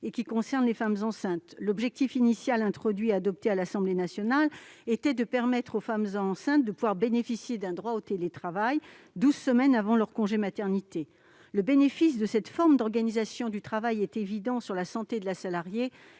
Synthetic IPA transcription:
ekʲikɔ̃sɛʁnlefamzɑ̃sɛ̃t̪lɔbʒɛk̚t̪ifinisjalɛ̃t̪χɔd̪ɥiad̪ɔp̚t̪ealasɑ̃blenasjɔnalet̪ɛd̪əpɛʁmɛt̪χofamzɑ̃sɛ̃t̪̚d̪əpuvwaʁbenefisjed̪ɛ̃d̪ʁwaot̪elet̪χavaj | d̪uzsəmɛnavɑ̃lœʁkɔ̃ʒemat̪ɛʁnit̪e | ləbenefisd̪əsɛt̪fɔʁmd̪ɔʁɡanizasjɔ̃d̪yt̪χavajɛt̪evid̪ɑ̃syʁlasɑ̃t̪ed̪əlasalaʁje

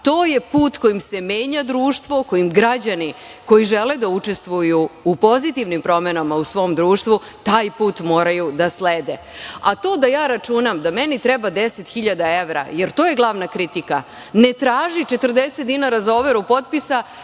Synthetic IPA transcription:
t̪o̞ːje̞puːt̪ko̞jimse̞meːɲad̪ɾuːʃt̪ʋo̞ko̞jimɡɾad͡ʑani | ko̞jiʒeled̪aut͡ʃest̪ʋujuupo̞zit̪iʋnimpɾo̞me̞namausʋo̞ːmd̪ɾuːʃt̪ʋu | t̪aːjpuːt̪mo̞ːɾajud̪asleːd̪e | at̪o̞ːd̪ajaːɾat͡ʃunamd̪amenit̪ɾɛbad̪eset̪xiʎad̪ae̞ʋɾa̰jeɾt̪o̞ːje̞ɡlˠaʋnakɾit̪ika | ne̞t̪ɾaːʒit͡ʃe̞t̪əɾd̪e̞set̪̚d̪inaɾazaoʋeɾupo̞t̪̚pisa

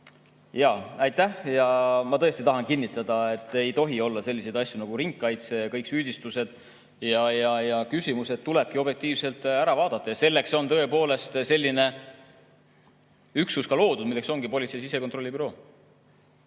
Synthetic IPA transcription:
jɑɑjt̪ˑːæhjɑmɑt̪ɤest̪it̪ɑɦɑnkinːit̪ːˑɑd̪̥ɑe̞t̪ːˑe̞jt̪o̞ɦio̞lːɑse̞lːise̞jd̪ɑsʲːjunɑɡ̥uɾiŋkːɑjt̪sekɤ̞jksyːd̪̥ist̪use̞d̪̥ | jɑjɑjɑkysʲimuse̞t̪̚t̪ːule̞b̥̚kio̞b̥je̞k̚t̪iːvse̞lt̪ˑæɾɑvɑːd̪̥ɑt̪ːˑɑjɑse̞lːe̞kso̞nt̪ɤ̞e̞po̞ːle̞st̪se̞lʲːine̞ | yksuskɑlo̞ːd̪ud̪milːe̞kso̞ŋɡipo̞lʲit̪sejsise̞ko̞nt̪ro̞lʲːibyɾo̞ː

